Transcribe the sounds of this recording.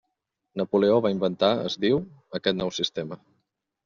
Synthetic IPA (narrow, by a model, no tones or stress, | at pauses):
nəpuleoβaimbənt̪aə̰zðiw | əkɛt̪nɔwsist̪emə